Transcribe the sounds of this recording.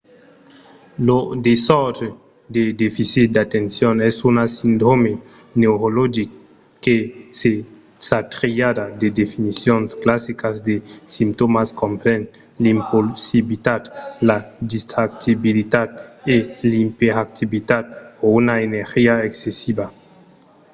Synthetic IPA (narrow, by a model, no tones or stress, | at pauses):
lod̪esɔɾd̪e | d̪ed̪efisit̪̚d̪at̪ensjonɛsunasind̪ɾomenewɾolod͡ʒikː | ese | sat̪ɾiad̪ad̪ed̪efinisjonsklasikazd̪esimt̪omaskompɾen | limposibit̪ad̪lad̪ist̪ɾak̚t̪ibilit̪at̪elimpeɾak̚t̪iβit̪at̪̚ounaeneɾxiaeksesiba